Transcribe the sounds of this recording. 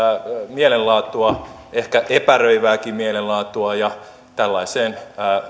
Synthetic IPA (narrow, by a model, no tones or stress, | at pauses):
mielellɑːt̪ˑuɑ | ehkæʔepærøiʋæːkimielellɑːt̪ːˑuɑjɑ | t̪ælːɑiseːnː